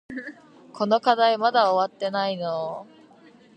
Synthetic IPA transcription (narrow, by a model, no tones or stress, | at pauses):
kʰo̞no̞kad̪aimad̪aoβat̪ːe̞naino